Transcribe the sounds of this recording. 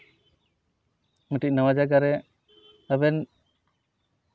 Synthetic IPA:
məʈic̚nəwad͡ʒaɡaɾɛ | əbɛn

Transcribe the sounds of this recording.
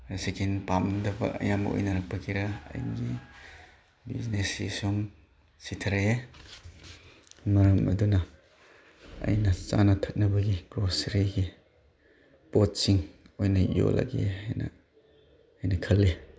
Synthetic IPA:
asekʰinpamndɐbɐ̰ʔɐ̰jamɐ̰ʔo̰jnɐɾɐk̚pʰɐkiɾaɐ̰jnɡi | bḭznesḭsuŋ | sit̪ʰɐɾe | mɐɾɐmɐ̰dunɐ | ɐ̰jnɐt͡ʃanɐtʰɐt̚nɐbɐɡiɡ̥ɾosɾiɡi | pot̚siŋ | ojnɐjo̰la̰ɡḛajnɐ̰ː | jnɐkʰɐle

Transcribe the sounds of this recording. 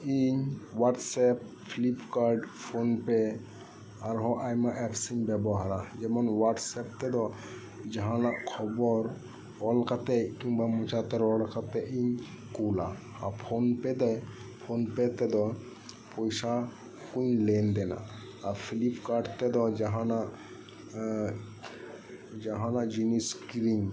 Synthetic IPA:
iɲwaʈsɛp | pʰilipkaɾɖpʰonpɛ | aɾɦɔ̃ʔajmãʔɛpʰsiɲbɛbɔɦaɾad͡ʒɛmɔnwaʈsɛp̚t̪ɛd̪ɔ | d͡ʒaɦãlaʔkʰɔbɔɾ | ɔlkat̪ɛkiŋbamut͡ʃat̪ɛɾɔlkat̪ɛʔiɲ | kula | apʰonpɛd̪ɛ | pʰonpɛt̪ɛd̪ɔ | pɔjsa | kuɲlend̪ɛna̰ː | pʰilipkaʈt̪ɛd̪ɔd͡ʒaɦãnaʔ | d͡ʒaɦãnad͡ʒiniskiɾiŋ

